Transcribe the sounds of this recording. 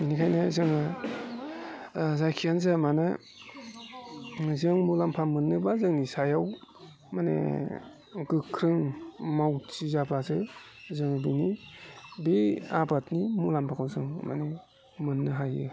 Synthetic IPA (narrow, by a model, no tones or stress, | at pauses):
inikʰajnazɯŋa | zajkʰijanzamanɯ | zɯŋmulampʰamɯnːɯbazɯŋnisajaw | manḛ | ɡɯkʰɾɯŋmawt͡ʃizabazɯ | zɯŋbini | beabatnimulampʰakʰawzɯŋma̰ne | mɯnːɯɦajɯ̰